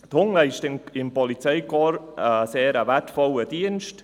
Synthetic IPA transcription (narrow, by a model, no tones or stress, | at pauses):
t̪hʊŋləɪʃtɪmpɔlit͡sɛɪkɔɾəseːɾəvɛtfɔləd̥iənʃt